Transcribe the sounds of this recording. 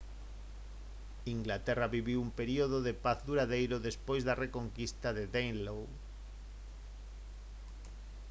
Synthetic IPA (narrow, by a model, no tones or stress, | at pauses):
iŋɡlat̪eraβiβiwumpeɾioðoðepaθd̪uɾaðejɾoðespojzðarekoŋkist̪aðeðejnlow